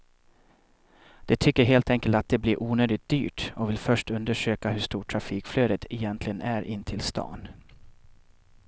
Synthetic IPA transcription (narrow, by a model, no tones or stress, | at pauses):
d̪̥ɛt̪ʰʏkːəɾɦeːlt̪ɛŋkəlt̪at̪̚d̪ɛblɪɾʔuːnøːd̪ɪt̪̚d̪̥y̰ːʈɔvɪlfœʂʈɵnd̪əʂøːkaɦɵʂt̪uːʈʰːɾafiːkfløːd̪ət̪ʰɛjɛnt̪ʰlɪɡənʔæɾʔɪnːt̪ʰɪlst̪ʰɑ̰ːn